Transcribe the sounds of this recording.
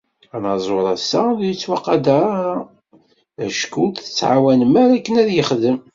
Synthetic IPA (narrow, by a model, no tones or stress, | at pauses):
ænɑzˤoɾˤɑsæðjət͡sːwɑqːɑd̪aɾɾa | æʃkud̪θə̥t͡sːʕa̰wænmæɾækːənæðjəχðəm